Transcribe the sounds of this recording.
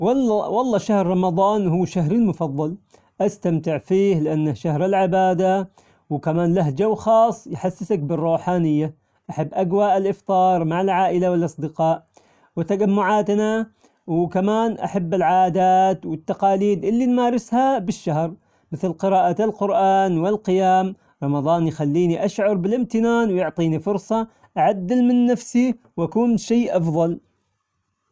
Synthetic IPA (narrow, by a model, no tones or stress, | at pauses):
wɑlːɑwɑlˤːɑːʃahɾɾˤɑmɑd̪ˤɑːnhuːʃaɦɾɪlmʊfɑðˤːɑl | ʔast̪amt̪ɪʕfiːhlɪʔanːaʃahɾɪlʕɪbaːd̪a | wkamaːnlaɦd͡ʒawxɑːsˤːjħasːɪsak̚bɨrˤːuːħaːnɪjːa | ʔaħabːʔaɡwaʔɪlʔɪft̪ˤɑːɾˤmaʕalʕaːʔɪlawɪlʔɑsˤd̪ɪqɑːʔ | wɪt̪ad͡ʒamːʊʕaːt̪na | wkamaːnʔa̰ħabːɪlʕaːʔd̪aːt̪wɪt̪ːɑqɑːliːd̪ʔɪlːinmaːɾɪshabɪʃːahɾ | mɪθlqɪɾɑːʔalqʊɾʔaːnwɪlqɪjaːm | ɾˤɑmɑðˤɑːnjxalːiːniʔaʃʕʊɾˤbɪlɪmt̪ɪnaːnwjʊʕt̪ˤiːnifʊɾsˤɑ | ʔaʕad̪ːɪlmɪnːafsi | wʔakuːnʃeːʔɑfðˤɑl